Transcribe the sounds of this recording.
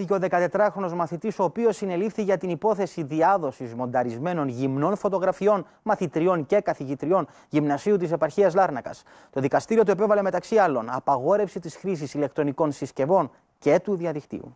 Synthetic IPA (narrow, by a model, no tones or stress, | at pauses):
iceo̞ðe̞kɐt̪e̞t̪ɾɐxɾo̞no̞zmɐθit̪iso̞ːpio̞sːine̞lifθiʝɐt̪inipo̞θe̞siðiɐðo̞sizmo̞nd̪ɐɾizme̞no̞nʝimno̞nfo̞t̪o̞ɣɾɐfio̞n | mɐθit̪ɾio̞nce̞kɐθiʝit̪ɾio̞n | ʝimnɐsiut̪̬ise̞pɐɾçiɐzlɐɾnɐkɐ̰s | t̪o̞ðikɐst̪iɾio̞t̪ue̞pe̞vɐle̞met̪ɐksiɐlo̞nɐpɐɣo̞ɾe̞fsit̪isxɾis̬isile̞k̚t̪ɾo̞niko̞nsisce̞vo̞n | ce̞t̪uðiɐðikt̪ḭṵ